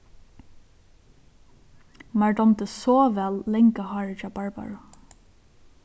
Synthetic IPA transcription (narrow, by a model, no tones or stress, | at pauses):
mæɹdɔmt̪əsɔːʋɛllɛŋkəhɑːɹɪt͡ʃabɑɹba̰ɹʊ